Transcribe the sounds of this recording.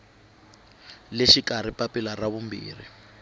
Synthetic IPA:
leʃikaɾ̤ipapilaraβumbḭːrḭ

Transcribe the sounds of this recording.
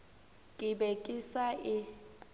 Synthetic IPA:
kʼɪbɛkʼɪsaɪ

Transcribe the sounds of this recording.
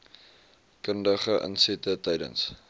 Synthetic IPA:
kəndəχəʔə̰nsɛtətɛjdə̰ns

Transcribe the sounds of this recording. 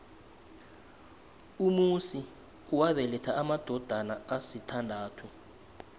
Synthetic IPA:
umusi | uwaβɛlɛtʰaʔamad̥ʱɔd̥ʱanaasitʰandʱaːtʰu

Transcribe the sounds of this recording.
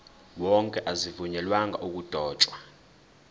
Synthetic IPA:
wɔŋkʼɛʔazivuɲɛlwaŋɡʱa̰ʔuk̬ʼud̥ʱɔːt͡ʃʼwa

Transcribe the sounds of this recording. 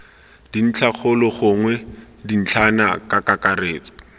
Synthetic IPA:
d̥in̩t͡ɬʰaχʰʊlɔχʊŋwɛdin̩t͡ɬʰana̰kʼakakareːlɔ

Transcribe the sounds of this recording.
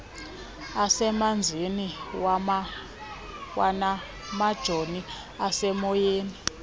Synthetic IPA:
asɛmand͡zʱiniwa | wana | mad̥ʒ̥ʱoni | asɛmɔjeːni

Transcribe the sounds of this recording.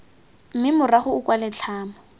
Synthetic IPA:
m̩mɪmʊraχʊːkʼwalɛt͡ɬʰaːma

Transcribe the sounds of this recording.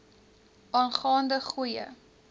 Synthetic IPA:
ʔɑːnχɑːndəχujə̰

